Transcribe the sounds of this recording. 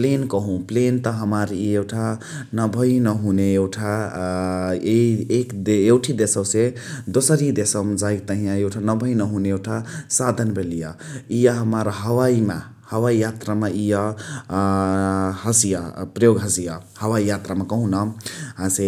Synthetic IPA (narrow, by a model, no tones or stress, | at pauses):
plenkəɦũplent̪əɦəməɾieʈʰa | nəbʱəinəɦuneewʈʰa | eiek̪ewʈʰid̪esəbse | d̪osəɾid̪esəmd͡ʒajkt̪əɦĩjãewʈʰanəbʱəinəɦuneewʈʰasad̪ʱənbʱelijəijəɦəməɾɦəwaima̰ | həwaijat̪ɾameijə | həsijapɾəjoɡɦəsijahəwaijat̪ɾamekəɦũnʌɦãse